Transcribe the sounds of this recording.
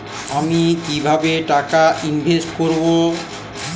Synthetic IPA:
amikibʱabeʈakainbʱesʈkoɾbo

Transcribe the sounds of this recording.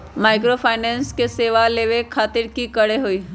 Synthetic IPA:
maːɪk̬ɾopʰaːɪnɛ̃ːnskeseːʋaleːʋekʰaːt̪ɪɾkikəɽeɦoiː

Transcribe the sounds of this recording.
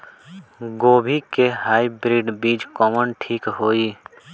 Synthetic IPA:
ɡoːbʱikeɦaːibɾiːɖbiːd͡ʒkɔːmənʈʰiːkɦoːiː

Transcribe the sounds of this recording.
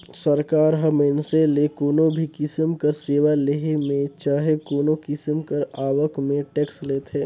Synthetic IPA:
səɾkaːɾɦəməɪnselekoːnobʱikɪsəmkəɾseːʋaleɦemẽt͡ʃaːɦekoːnokɪsmkəɾaːʋəkmẽʈeːksleːt̪ʰɦeː

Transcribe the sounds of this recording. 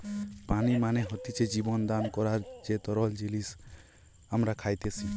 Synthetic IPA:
panimaneɦʌt̪it͡ʃed͡ʒibɔnd̪ankɔɾaɾd͡ʒet̪ɔɾɔld͡ʒilis | ɦamɾakʰajt̪et͡ʃʰi

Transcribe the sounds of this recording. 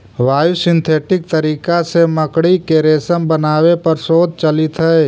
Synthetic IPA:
ʋaːjusɪ̃nt̪ʰeːʈɪk̚t̪əɾiːkaseməkɽikeɾeːsəmbənaːwepɐɾsoːd̪̚t͡ʃəlɪt̪ɦɛː

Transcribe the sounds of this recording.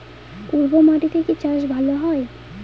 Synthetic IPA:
uɾbomaʈit̪ʰeket͡ɕaʃ̬bʱaloɦɔe

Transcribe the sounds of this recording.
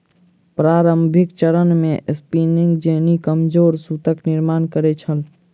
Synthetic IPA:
pɾaːɾəmbʱɪkt͡ʃəɾənmẽspiːnɪ̃ŋɡd͡ʒeːnikəmd͡ʒoːɾsut̪əknɪɾmaːnkəɾet͡ʃʰəl

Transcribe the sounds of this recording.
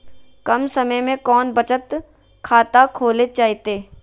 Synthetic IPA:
kɐmsɐməjmẽkɔːnbɐt͡ʃət̪ | kʰaːt̪akʰoːlet͡ʃaːɦt̪eː

